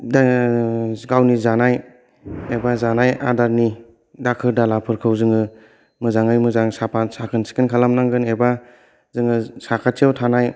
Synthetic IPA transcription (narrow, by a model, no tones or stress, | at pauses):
d | ɡawnizanaj | ebazanaja̰daɾni | dakʰɯɾdalapʰɯɾkʰɯwzɯŋɯ | mɯzaŋɯjmɯzaŋsapʰasakʰɯnsi̥kʰɯnkʰalamnaŋɡɯneba | zɯŋɯsakʰatʰiawtʰanaj